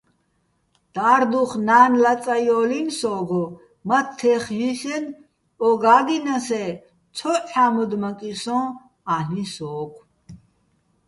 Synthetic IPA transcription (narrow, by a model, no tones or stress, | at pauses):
d̪̥aːɾd̪uχnaːnlat͡sʼajɔːlinsɔːɡɔ | mat̪ʰːɛχjiɬɛn | ɔɡaːɡ̪inasɛ | t͡sʰɔħamud̪makʼisɔ̃ː | anisɔːkʰ